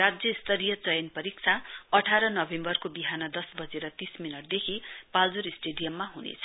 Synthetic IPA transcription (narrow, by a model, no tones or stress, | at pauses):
rad͡zjʌist̪ʌɾijʌt͡sʌjʌnpʌɾik̚t͡sʰaʌʈʰaɾʌnʌbembʌrkobiɦanʌd̪ʌsbʌd͡zeɾʌt̪isminʌʈ̚d̪ekʰipald͡zuɾisʈeɖijʌmːaɦunḛt͡sʰʌ